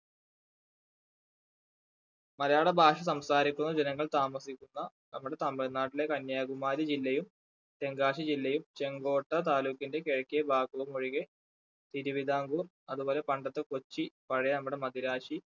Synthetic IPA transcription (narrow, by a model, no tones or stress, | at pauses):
mɐɾɐjaːɽebʱaːʂɐs̬ɐmsaːɾikʲːunːɐd͡ʑenɐŋːɐɭt̪aːmɐsikʲːunːɐ | nɐmːuɽe̞t̪ɐmːeɭnaːʈːile̞kɐnjaːɡumaːɾɐd͡ʑilːɐjum | t̪e̞ŋɡaːʂid͡ʑilːɐjumt͡ɕe̞ŋɡo̞ːʈːɐt̪̬aːluːkːinde̞keɻɐkːijɐbʱaːkːoʋumoɻiɣe | t̪iɾuʋid̪ʱaːŋɡu | ɐðuboːle̞pɐɳɖɐt̪ːeko̞t͡ɕːipɐɻɐjɐnɐmːuɽe̞mɐd̪iɾaːʂi